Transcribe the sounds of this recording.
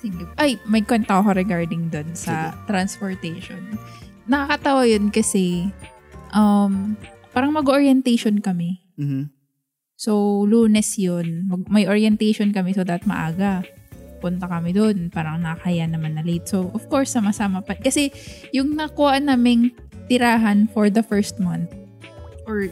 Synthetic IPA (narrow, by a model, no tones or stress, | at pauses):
sɪɡʔajmɐjkwɛnt̪ɐokɐɾɛɡaɹd̪ɪŋd̪onsɐt̪ɾɐnspoɹt̪ɛjʃon | nɐkakɐt̪ɐwajonkɐsɛ | ʔɐmpaːɾɐŋmɐɡʔoɹjɛnt̪ɛjʃonkɐmɛ | sowluːnɛsjonmɐɡmɐjʔoɹjɛnt̪ɛjʃonkɐmɛsod̪apɐt̪̚mɐ̰ʔaːɡɐpʊnt̪ɐkɐmɪd̪onpaːɾɐŋnɐɐkɐjanɐmanːɐlet̪̚sowʔɔfkoɹsːɐmɐsaːmɐpɐkɐsɛjʊŋnɐkʊhaʔnaːmɪŋ | t̪ɪɾaːɦɐnfɔɹd̪ɐfɛɹst̪̚mant̪̚ | ʔɔɹ